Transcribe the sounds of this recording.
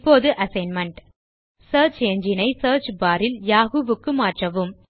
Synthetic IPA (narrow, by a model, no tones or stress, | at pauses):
pːoːðɯʔɐsɐɪnmɐɳʈ | sɐːɾt͡ʃɛɲd͡ʒɪnɐɪsɐːɾt͡ʃbaːɾɪljaːɣɯʋɯkːɯmaːʈrɐʋɯm